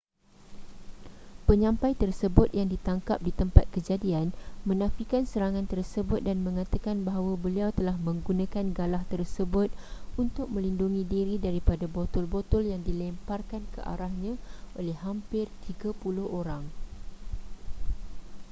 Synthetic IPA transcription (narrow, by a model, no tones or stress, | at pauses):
pəɲãmpajt̪ərsəbʊt̪̚jaŋdit̪aŋkap̚dit̪əmpat̪̚kəd͡ʒadianmə̃nãfikansəɾaŋãnt̪ərsəbʊt̪̚danmə̃ŋat̪akanbaɦawabəliawt̪əlahmə̃ŋɡunãkanɡalaht̪ərsəbʊt̪̚unt̪ʊk̚mə̃linduŋĩdiɾidaɾipadabot̪ɔlbot̪ʊljaŋdilɛmparkankə̰ʔa̰ɾahɲãʔolɛhːampɪrt̪iɡapulʊhoɾaŋ